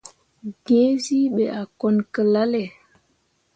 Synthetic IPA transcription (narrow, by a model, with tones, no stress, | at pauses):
ɡẽ˦si˦ɓɛ˨ʔa˨kɔ˨nkə˨la˦lɛ˨